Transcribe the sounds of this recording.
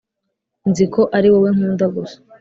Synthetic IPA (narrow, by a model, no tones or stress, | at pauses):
nzikʰoʔaɾiwoweŋ̥uːndaɡuso̥